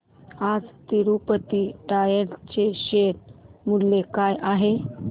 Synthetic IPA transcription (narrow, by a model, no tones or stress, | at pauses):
ad͡zt̪iɾupət̪iʈajeɽt͡ɕeɕeɾmuɽlekajʔaɦe